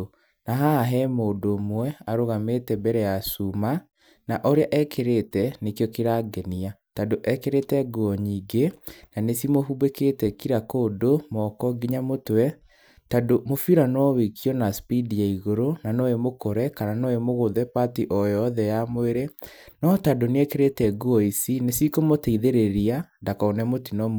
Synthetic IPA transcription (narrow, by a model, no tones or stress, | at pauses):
naɦaɦɛmoːdoːmwɛaɾoɣametɛbɛɾɛjasuma | naʔoɾeaʔɛkeɾetɛnekjɔkiɾaɡɛniatadoʔɛkeɾetɛɡuɔɲiːɡenanesimoɦubeketɛkiɾakoːdomɔkɔɡiɲamotwɛ | tadomofiɾanɔwekʰiɔnaspidiaiɣoɾonanɔemokoɾɛkananɔemoɣoðɛpatiʔɔjɔðɛjamweɾenɔtadoneɛkeɾetɛɡuɔisinesikomoteiðeɾeɾiandakɔonɛmotinɔm